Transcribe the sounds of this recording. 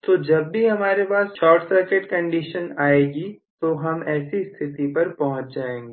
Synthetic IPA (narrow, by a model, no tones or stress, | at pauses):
t̪od͡ʒɐbːiɦɐmaːɾepaːsʃɔːɾʈsəɾkɪʈkɐ̃ɳɖiʃənaːeːɡi | t̪oɦɐmɛːsist̪ʰɪt̪ipɐɾpɐɦʊ̃t͡ʃd͡ʒaːẽːŋɡeː